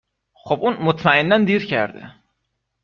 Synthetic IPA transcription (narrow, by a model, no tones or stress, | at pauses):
χobʊnmʊt̪ʰmaɪnːand̪iɾkʲʰaɾd̪ɪ̰